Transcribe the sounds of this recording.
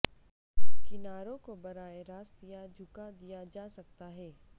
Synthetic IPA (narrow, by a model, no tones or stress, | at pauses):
kɪnaːɾõkobɐɾaːeɾaːst̪ijad͡ʑʱʊkad̪ijad͡ʒaːsɐk̚t̪aɦɛː